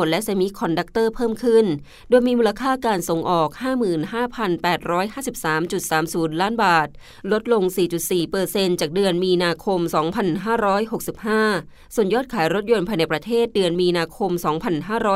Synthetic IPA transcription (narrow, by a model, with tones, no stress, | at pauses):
nlɛ˦˥ʔseː˧mi˦˥kʰɔ˧nda˦˥k̚t̪ɤː˥˩pʰɤː˥˩mkʰɯ˥˩n | doː˧jmiː˧muː˧la˧kʰaː˥˩kaː˧nso˨˩˦ŋʔɔː˨˩k̚haː˥˩mɯː˨˩nhaː˥˩pʰa˧npɛː˨˩t̪̚ɾɔː˦˥jɦaː˥˩si˨˩p̚saː˩˦mt͡ɕu˨˩t̪̚saː˩˦msuː˩˦nlaː˦˥nbaː˨˩t̪̚ | lo˦˥t̪̚lo˧ŋsiː˨˩t͡ɕu˨˩t̪̚siː˨˩pɤː˧se˧nt͡ɕaː˨˩k̚dɯ˧ənmiː˧naː˧kʰo˧msɔː˩˦ŋpʰa˧nɦaː˥˩ɾɔː˦˥jɦo˨˩k̚si˨˩p̚haː˥˩ | su˨˩ənjɔː˥˩t̪̚kʰaː˩˦jɾo˦˥t̪̚jo˧npʰa˧jna˧˩jpɾa˧t̪ʰeː˥˩t̪̚dɯ˧ənmiː˧naː˧kʰo˧msɔː˩˦ŋpʰa˧nɦaː˥˩ɾɔː˦˥